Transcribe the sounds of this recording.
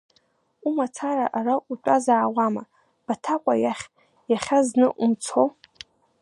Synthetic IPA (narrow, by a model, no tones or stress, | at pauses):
umat͡sʰaɾa̰ʔaraʔut͡pʷʼazaːwama | b̥atʰakʷʼajaχʲ | jaχʲaznɨʔumt͡sʰow